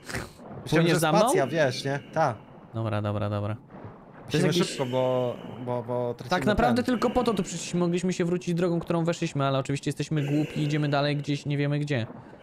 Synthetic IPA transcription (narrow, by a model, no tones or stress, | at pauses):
mwɲɲɛzamanɔ̃javʲjɛʂɲɛt̪ak | d̪̥ɔbɾa̰d̪ɔbɾa̰d̪ɔbɾa̰ | t̪ɔjɛst̪jkiɘpkɔbɔbɔbɔt̪ɾat͡ɕt̪aknapɾavd̪ɛt̪ɘlkɔpɔt̪ɔt̪upʂɛʃlʲiɕmmɔɡlʲiɕmɘɕɛvɾut͡ɕid͡ʑd̪ɾɔɡɔ̃w̃k̚t̪uɾɔ̃w̃vɛʂlʲiɕmɘalɛɔt͡ʂɨvʲiɕt͡ɕɛjɛst̪ɛɕmɘɡwupʲiːd͡ʑɛmɘd̪alɛjɡd͡ʑeɕɲevʲjɛmɘɡd͡ʑɛ